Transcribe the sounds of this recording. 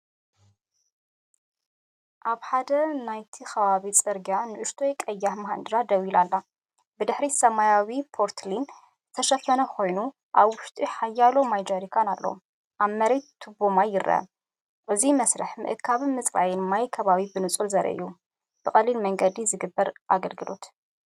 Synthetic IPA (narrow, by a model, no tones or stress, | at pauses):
ʔaβħad̪ɐnajt̪ʰixɐβaβit͡sʼɨɾɡjanɨʔɨʃt̪ʰo̞jkʼɐjːahmɐɦand̪ɨɾad̪ɐwilalːa | bɨd̪ɨħɾisɐmajawipʰo̞ɾt̪ʰlin | zɨt̪ʰɐʃɐfɐnɐkʰo̞jnu | ʔaβwʊʃt̪ʼiħajːalo̞majd͡ʒoɾikʰanalːɐ̰ | ʔaβmɐɾe̞t̪ʰːɨbomajɪɾɐ̰ | ʔɨzimɐsɾɐħmɨ̰ʔɨkʰaβɨmɨt͡sʼba̰jɛnmajkʰɐβaβibɨnɨt͡sʼulzɐɾʔɐ̰ʔɨ̰jːu | b̥ɨxʼɐlːilmɐŋɡɐd̪izɨɡɨbːɐɾʔaɡɐlɡɨlo̞̰t̪